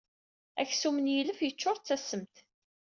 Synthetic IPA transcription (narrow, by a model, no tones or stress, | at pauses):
æ̰çsumənjiləfjət͡ʃːʊɾˤt͡sːæsəmt̪